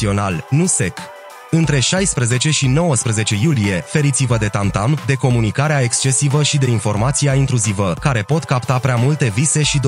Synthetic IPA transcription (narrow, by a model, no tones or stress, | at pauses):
io̞nalnuse̞k | ɨnt̪ɾe̞ʃajspɾəze̞t͡ʃe̞ʃino̞wəspɾəze̞t͡ʃe̞julije̞fe̞ɾit̪sivəd̪e̞t̪ant̪amd̪e̞ko̞munikaɾeae̞kst͡ʃe̞sivəʃid̪e̞info̞rmat̪siaint̪ɾuzivəkaɾe̞po̞t̪kapt̪apɾeamult̪e̞vise̞ʃid̪